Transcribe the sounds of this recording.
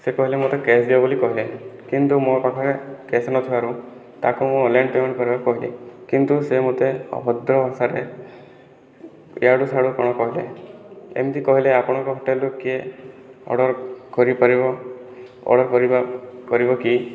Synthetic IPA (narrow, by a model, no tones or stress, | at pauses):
sekɔɦilemot̪ekesd̪ibabolikɔɦilekint̪umopakʰaɾekesɔnɔt̪ʰiaɾũ | t̪akumũɔnlajɳpemɔɽ̃kɔɾibakɔɦilḭkint̪usemot̪eɔ̰bʱɔd̪ɾɔɔsaɾe | jaɽusaɽukɔɽ̃ɔkɔɦile | ḛmt̪ikɔɦileapɔɽ̃ɔ̃ŋkɔɦɔʈelukie | ɔ̰ɽɔɾkɔɾipaɾibɔ | ɔ̰ɽɔɾkɔɾibakɔɾibɔki